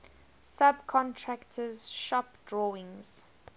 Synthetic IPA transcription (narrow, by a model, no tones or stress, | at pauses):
sab̚kʰɔ̃ntʰɹaktʰəz̥ʃɔpdɹɔːɪ̃ŋz̥